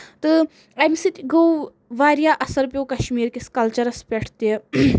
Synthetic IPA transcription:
t̪ɨ | ɐmsit̪ʲɡow | ʋaːɾjaːʔɐsɐɾpʲjoːkɐʃmiːɾkʲiskɐlt͡ʃɐɾɐspʲeʈʰt̪e

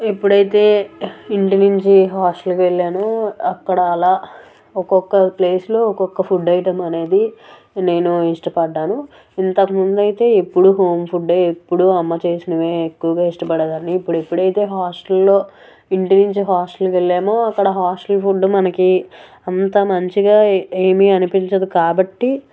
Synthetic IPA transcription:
e̞pːuɽɐjit̪e̞ːiɳʈinuɲt͡ʃiɦaːsʈɐlkʋeɭːeːmoːɐkːɐɽɐːlaː | ɔkɔkːɐple̞ːslo̞ːɔkɔkːɐpʰuɖːɐjiʈɐmɐne̞ːd̪i | ne̞ːnuiʂʈɐpɐɖːaːnu | int̪ɐkɐmund̪ɐjt̪e̞ːepːuɽuɦo̞ːmpʰuɖeepːuɽuɐmːɐt͡ʃeːsinɐʋeːekːuʋɐɡaːiʂʈɐpɐɽɐd̪aːnːiːpːuɽuepːuɽɐjit̪e̞ːɦaːsʈɐlːo̞ː | iɳʈinuɲt͡ʃiɦaːsʈɐlʋe̞ɭːeːmo̞ːɐkːɐɽɐɦaːsʈɐlpʰuɖmɐnɐki | ɐnt̪ɐmɐɲt͡ʃiɡaːeːmiɐnipiɲt͡ʃɐd̪ikaːbɐʈːi

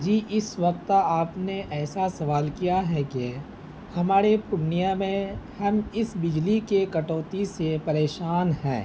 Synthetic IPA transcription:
d͡ʒiːʔɪsʋɐk̚t̪aːpneʔɛːsasɐʋaːlkijaɦɛke | hɐmaːɾepʊnijamẽhɐmɪsbɪd͡ʒlikekɐʈoːt̪isepɐɾeːʃaːnɦɛ̰̃ː

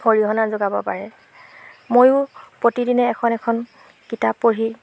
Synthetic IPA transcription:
xoɹiɦɔnazoɡabɔpaɹɛ | mojʊpɹotidinɛːkʰɔnɛkʰɔn | kitapːoɹi

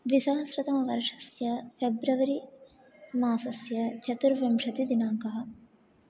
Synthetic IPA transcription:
ʋisɐɦɐsɾɐt̪ɐmɐʋɐɾʂɐ̥sjɐpʰebɾɐʋɐɾi | maːsɐsjɐt͡ʃʰɐt̪uɾʋɐmʂɐt̪id̪inaːŋkɐɦɐ̆

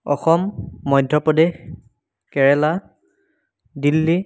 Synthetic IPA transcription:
ɔ̰xɔmːɔjdʱɔpɔdex | kɛɹɛla | dilːi

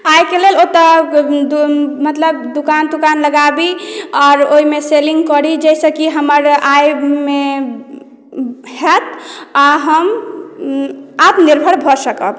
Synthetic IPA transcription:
ajkelelot̪ə | mət̪ləb̚d̪ukand̪ukanləɡabiɔɾoimeseliŋɡkɔɾid͡ʒɛjsə̃kiɦəməɾajme | hɛt̪aɦəm | at̪niɾbʱəɾbʱɔsəkə̰b

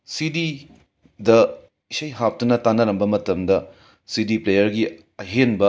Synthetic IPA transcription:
sidi | dɐ | isɐjɦap̚tunɐtanːɐɾɐmbɐmɐtɐmdɐ | sidiplejɐɾɡi | ɐɦenbɐ

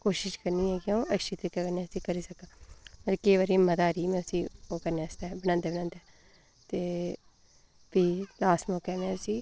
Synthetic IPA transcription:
koːʃɪʃkəɾniːɛːkjõːəʃit̪ekːakənẽːəsĩːkəɾiːsəkãːməlkeːʋaːɾĩməd̪aːɾiːmɛ̃ːəsĩːoːkəɾneːəsaːbəñãːnd̪eːbnãːnd̪ɛː | t̪eː | biːlaːsmẽkɛːneːəsiː

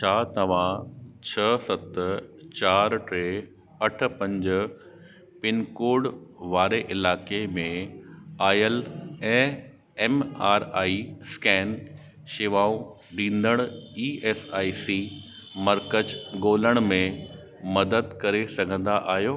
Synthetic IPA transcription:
t͡ɕʰaːt̪ɐʋ̤ãt͡ɕʰɐsɐt̪t͡ɕaːɾʈɾeː | ɐʈʰʊ̆pɐ̃ɲd͡ʑʊ | pɪnkoːɖʋaːɾeʔɪlaːkemẽaːjəlɛ̃ | ɛːmaːɾaːiskɛːn | ʃɪʋaːũ | ɖĩːn̆d̪əɽ̃iːeːsaːisi | mɐɾkəd͡ʑɡoːləɽ̃mẽ | mɐd̪əd̪kɐɾesɐɡʱə̃nd̪aʔaːɦjoː

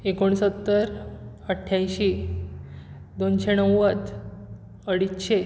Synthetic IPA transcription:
ekoɳ̃sət̪ːəɾ | əʈʰjãjɕi | d̪onɕenəwːət͡s | əɽit̪ɕe

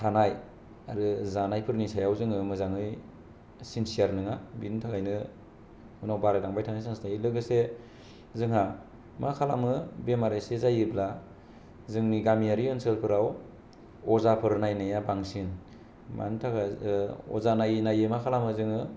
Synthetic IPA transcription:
tʰanaj | aɾɯzanajpʰɯɾnisajawzɯŋɯmɯzaŋɯj | sinsiaɾnɯŋabintʰaɡajnɯ | hɯnawbaɾedaŋbajtʰanajsaŋsnajilɯɡɯse | zɯŋa | makʰalamɯbemaɾajsezajɯbla | zɯŋniɡamijaɾiɯnsɯlpʰɯɾaw | ɔzapʰɯɾnajnajabaŋsin | mʔa̰ntʰaɡaɔ̰zanajnajɯmakʰalamɯzɯŋɯ

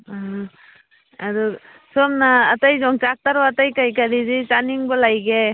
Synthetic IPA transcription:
ɦ | aɾu | sɔmnaːtajzɔŋt͡ʃak̚taɾaatajkajkaɾizit͡ʃaniŋbɔlajɡe

